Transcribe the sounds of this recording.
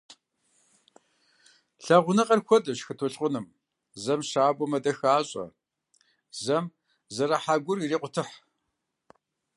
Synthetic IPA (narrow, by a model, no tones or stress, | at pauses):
ɬɐʁʷʊnɨqɐrxʷɔdɐʃxɨtʰɔɬʼqʷʊnɨm | zɐmɕaːbʷɔmɐdɐxaːɕʼɐ̰ | zɐm | zɐɾɐħaːɡʷʊrireːqʷʊtʰɨħ